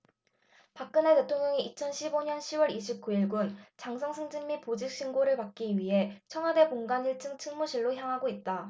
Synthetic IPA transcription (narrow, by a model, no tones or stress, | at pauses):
pak̚k͈ɯne̞te̞tʰoŋɲʌŋiit͡ɕʰʌnɕʰiboɲʌnɕʰiwʌɾiɕʰip̚k͈uiɭɡunt͡ɕaŋsʰʌŋsʰɯŋd͡ʑɯŋmipod͡ʑik̚ɕ͈ʰiŋɡoɾɯɭpak̚k͈iɥiɦe̞t͡ɕʰʌŋɦwade̞boŋɡaɲiɭt͡ɕʰɯŋt͡ɕʰɯŋmuɕʰiɭːoçjaŋɦaɡoit̚t͈a